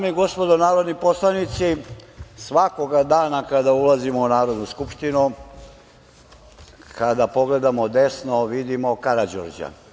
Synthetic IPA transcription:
amiɡo̞spod̪onaːɾod̪nipo̞slˠanit̪sisʋako̞ɡad̪aːnakad̪aulazimo̞unaːɾo̞d̪nuskupʃt̪inu | kad̪apo̞ɡle̞d̪amo̞d̪e̞snoʋid̪imokaɾad͡ʑo̰ɾd͡ʒa̰

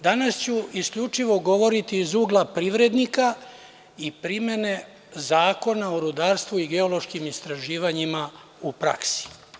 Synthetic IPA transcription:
d̪anast͡ɕuiskʎut͡ʂiʋo̞ɡo̞ʋo̞ɾit̪iːzuːɡlˠapɾiʋɾe̞d̪nika | ipɾime̞ne̞ | zaːko̞naoɾud̪aːɾst̪ʋuiɡe̞olo̞ʃkimist̪ɾaʒiːʋaɲima | upɾa̰ksi̥

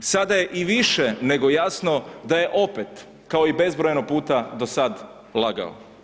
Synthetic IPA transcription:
sad̪aje̞ʔiʋiʃene̞ɡo̞jasno̞d̪aje̞ʔo̞pet̪ | kao̞ibe̞zbɾojenopuːt̪ad̪o̞sad̪ | lˠaɡa̰o̰

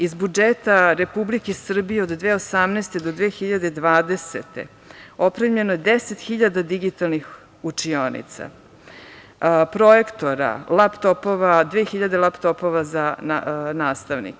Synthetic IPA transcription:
izbud͡ʒet̪aɾepublikesr̩bijeod̪d̪ʋeːo̞samneːst̪e̞d̪o̞d̪ʋeːxiʎad̪ed̪ʋaːd̪e̞set̪ḛ | o̞pɾemʎe̞nojed̪eset̪xiʎad̪ad̪iɡit̪alˠnix | ut͡ʂio̞nḭt̪sa̰ | pɾo̞ekt̪o̞ɾa̰lapt̪opoʋad̪ʋeːxiʎad̪elapt̪o̞po̞ʋazananaːst̪aʋnḭk

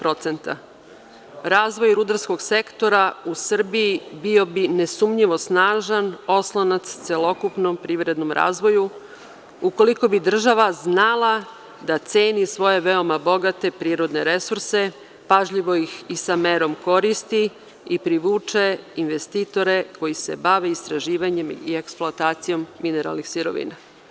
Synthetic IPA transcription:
pɾo̞t̪se̞nt̪a̰ | ɾaːzʋo̞jɾud̪aɾsko̞ɡse̞kt̪o̞ɾausr̩bijibio̞bine̞sumɲiʋo̞snaːʒano̞slˠanat̪st̪selo̞kupnompɾiːʋɾe̞d̪no̞mɾa̰ːzʋo̞ju | uko̞liko̞bid̪r̩ʒaʋaznalˠa | d̪at̪seːnisʋo̞je̞ʋe̞o̞mabo̞ɡat̪e̞pɾiːɾo̞d̪ne̞ɾe̞suɾse̞ | paʒʎiʋo̞jixisame̞ːɾo̞mko̞ɾist̪i | ipɾiʋuːt͡ʃeinʋe̞st̪iːt̪o̞ɾe̞ko̞jise̞baʋe̞ist̪ɾaʒiːʋaɲe̞mie̞ksplˠoat̪aːt̪sijo̞mːine̞ɾa̰lˠnixsiɾo̞̰ʋḭna

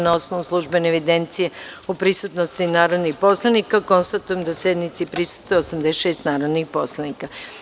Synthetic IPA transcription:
naosnoʋnuslˠuʒbeneʋid̪ent̪sijeupɾisut̪nost̪inaːɾod̪nixpo̞slˠanikako̞nst̪at̪ujemd̪ased̪nit̪sipɾisu̥st̪vojeosamd̪eʃeːst̪naːɾod̪nixpo̞slˠanika

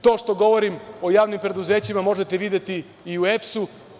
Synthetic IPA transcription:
t̪o̞ːʃt̪o̞ɡo̞ʋo̞ɾimo̞jaːʋnimpɾe̞d̪uzeːt͡ɕimamo̞ʒet̪eʋid̪et̪iː | uepsu

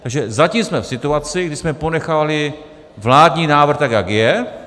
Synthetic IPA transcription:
t̪aɡʒɛzacimsmɛfsɪt̪uat͡sɪɡdɪsmɛpo̞nɛxaːvalɪ | vlaːdɲiːnaːvr̩xt̪akjaɡjɛ

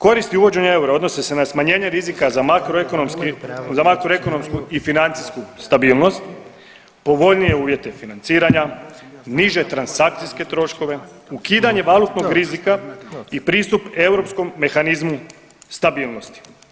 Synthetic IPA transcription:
ko̞ɾist̪iuʋo̞d͡ʑe̞ɲae̞uɾao̞d̪no̞sese̞nasmaɲe̞ːɲe̞ɾizikazamakɾoekonomskizamakɾoe̞ko̞no̞mskuifinant̪siskust̪abiːlˠno̞st̪ | po̞ʋo̞ʎnije̞uːʋje̞t̪e̞finant̪siːɾaɲa | niʒe̞t̪ɾansak̚t̪sijske̞t̪ɾo̞ʃko̞ʋe̞ | ukiːd̪aɲe̞ʋalˠut̪no̞ɡɾizikaipɾiːst̪upe̞wɾo̞psko̞mːe̞xanizmu | st̪abiːlˠno̞st̪i̥

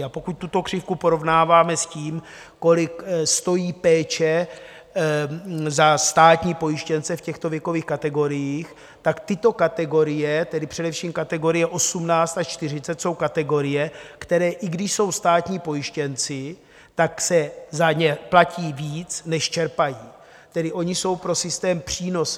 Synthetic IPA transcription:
apo̞kuc̚t̪ut̪o̞kr̥ɪfkupo̞ɾo̞vnaːvaːmɛsciːm | ko̞lɪkst̪o̞jiːpɛːt͡ʃɛ | zast̪aːt̪ɲiːpo̞jɪʃcɛnt͡sɛfcɛxt̪o̞vjɛko̞viːxkat̪ɛɡo̞ɾɪjiːx | t̪akt̪ɪt̪o̞kat̪ɛɡo̞ɾɪjɛt̪ɛdɪpr̥ɛdɛfʃiːmkat̪ɛɡo̞ɾɪjɛʔo̞sumnaːt͡st̪at͡ʃt̪ɪr̝ɪt͡sɛt̪so̞wkat̪ɛɡo̞ɾɪjɛkt̪ɛɾɛːʔɪɡdɪʃso̞wst̪aːt̪ɲiːpo̞jɪʃcɛnt͡sɪ | t̪aksɛzaɲɛplaciːviːt͡snɛʃt͡ʃɛɾpajiː | t̪ɛdɪʔo̞ɲɪso̞wpɾo̞sɪst̪ɛːmpr̝̥iːno̞s

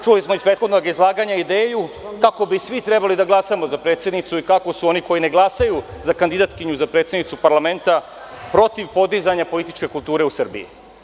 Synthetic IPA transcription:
t͡ʃulismo̞ispɾet̪xod̪noɡizlˠaːɡaɲaid̪e̞ːjukako̞bisʋit̪ɾe̞balid̪aɡlˠasamo̞zapɾet̪sje̞d̪nit̪suikako̞suo̞niko̞jine̞ɡlˠasajuzakand̪id̪at̪kiɲuzapɾet̪sjed̪nit̪supaɾlˠame̞nt̪a | pɾo̞t̪iʋpo̞d̪izaɲapo̞lit̪it͡ʃke̞kulˠt̪uːɾe̞usrbḭḭ

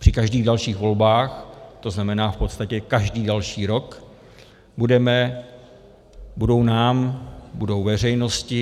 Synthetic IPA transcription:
pr̥ɪkaʒdiːɣdalʃiːɣvo̞lbaːxt̪o̞znamɛnaːfpot̪st̪acɛkaʒdiːdalʃiːɾo̞k | budɛmɛ | budo̞wnaːmbudo̞wvɛr̝ɛjno̞scɪ

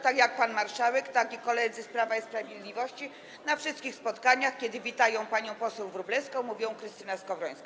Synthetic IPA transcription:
t̪akjak̚panmaɾʂawɛkt̪akʲikɔlɛd̪zɘspɾavaispɾavʲjed̪lʲivɔɕt͡ɕi | nafʂɨst̪kʲixspɔt̪kaɲaxkʲɛd̪ɘvʲit̪ajɔ̃w̃paɲɔ̃w̃pɔsɛwvɾublɛskɔ̃w̃muvʲjɔ̃w̃kɾɘst̪ɘnɛskɔvɾɔj̃ska

